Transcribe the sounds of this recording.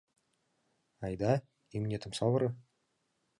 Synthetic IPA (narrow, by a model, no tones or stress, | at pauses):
ɑjd̪ɑ | imnʲet̪ʰɘ̆msɑvɤ̆ɾɤ̆